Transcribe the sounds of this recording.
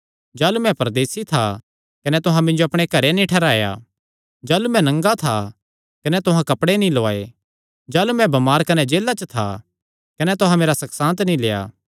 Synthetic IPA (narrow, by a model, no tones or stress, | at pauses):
d͡ʒaːlumɛ̃pɐɾd̪eːsit̪ʰa | kɐnɛt̪ʊɦãmɪ̃nd͡ʒoɐpɽ̃ekɐɾenĩʈʰɛɾaːja̰ː | d͡ʒaːlumɛ̃nɐ̃ŋɡat̪ʰa | kɐnɛt̪ʊɦãkɐpɽenĩloaːḛ | d͡ʒaːlumɛ̃bɐmaːɾkɐnɛd͡ʒeːlːat͡ʃət̪ʰa̰ | kɐnɛt̪ʊɦãmeːɾasɐksãːnt̪nĩleːa̰ː